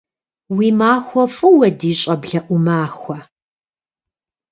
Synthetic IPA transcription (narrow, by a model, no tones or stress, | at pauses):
wiːmaːxʷɐfʼɨwɐdiːɕʼɐbɮɐʔʷʊmaːxʷɐ